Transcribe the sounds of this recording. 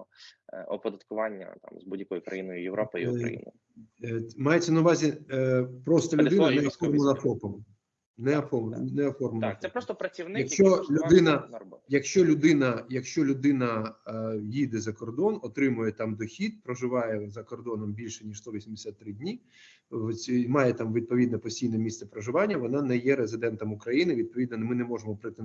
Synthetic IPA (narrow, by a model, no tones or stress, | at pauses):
ɔɔ̰pɔd̪ɐt̪kʊʋɑnʲːɐ̰t̪ɑ̰mzbudʲjɐkɔjʊkɾɐ̰jinɔjʊjeʋɾɔpɪiɐ̰ḭn̰j | mɑjet͡sʲːɐnɐʊʋɑzʲi | pɾɔst̪ɔlʲʊɪnɐnɛɔfɔrmɔnɐpɔpɔm | nɛɐfɔmnnɛɔfɔrmɔnɐkp̪ɛpɾɔst̪ɔpɾɐt͡sʲiwnɪjɐkʃt͡ʃɔlʲʊd̪ɪnɐnɐbɔjɐkʃt͡ʃɔlʲʊd̪ɪnɐjɐkʃt͡ʃɔlʲʊd̪ɪn̪ɐ | jid̪ɛzɐkɔrd̪ɔnɔt̪ɾɪmʊjɛt̪ɑmd̪ɔxʲid̪̚pɾɔʒɪʋɑjɛzɐkɔrd̪ɔnɔmbʲilʲʃɛnʲiʃst̪ɔʋʲisʲimd̪ɪsʲat̪ːɾɪdʲnʲi | mɑjɛt̪ɑmʋʲid̪̚pɔʋʲid̪nɛpɔsʲtʲijnɛmʲist̪sɛpɾɔʒɪʋɑnʲːɐʋɔnɑnɛjɛɾezɪd̪ɛnt̪ɔmʊkɾɐjinɪʋʲid̪̚pɔʋʲid̪nɐmɪnɛmɔʒemɔpɾɪt̪e